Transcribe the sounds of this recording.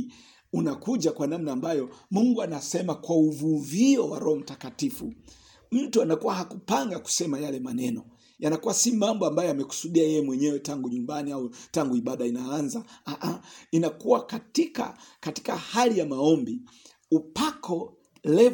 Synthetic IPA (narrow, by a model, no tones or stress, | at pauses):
unakuʄakwanamnaːmbajɔmuŋɡuanasɛmakwauvuviɔwa̰ɾɔɔm̩takatifu | m̩tuanakuwahakupaŋɡaku̥sɛmajalɛmanɛnɔ | janakuwasimambɔambajɔamɛku̥suɗiajɛjɛmwɛɲɛwɛtaŋɡuɲumbaniautaŋɡuiɓaɗainaanzaaʔainakuwakatika̰kati̥kahalijamaɔmbi | upakʰɔ | lɛ